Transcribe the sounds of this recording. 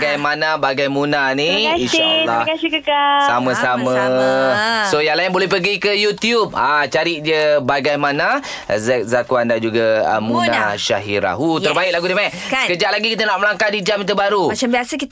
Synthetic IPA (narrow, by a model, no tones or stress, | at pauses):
ɡajmanabaɡajmunaniainʃalːɾɔkasɪhkəkasamãsamã | sojaŋlaɪnbolɛhpəɡikəjut̪iup̚at͡ʃaɾɪʔ̚d͡ʒəbaɡajmana | zɛk̚zakuandad͡ʒuɡaə̰munaʃa̰ɦiɾa̰ɦut̪ərbaɪk̚laɡudimai | səkəd͡ʒaʔlaɡikit̪anaʔ̚məlaŋkadid͡ʒamit̪̬ubaɾumat͡ʃambiasəki